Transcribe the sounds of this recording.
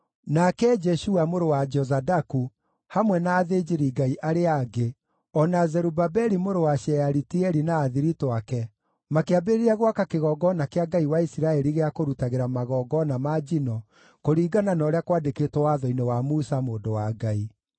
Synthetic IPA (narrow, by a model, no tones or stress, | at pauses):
nakɛd͡ʒɛʃuamoɾowad͡ʒɔzadaku | hamwɛnaːðed͡ʒiɾiɡaiʔaɾeaɡe | ɔnazɛɾubabɛɾimoɾowaʃɛjaɾitiɛɾinaːðiɾitoakɛ | makeabeɾeɾɛɣwakakeɣɔːɡɔnakeaɡaiwaisiɾaɛɾiɣeakoɾutaɣeɾamaɣɔːɡɔnamad͡ʒinɔ | koɾiːɡananɔːɾeakwadeketwɔwaðɔinɛwamusamoːdowaɡai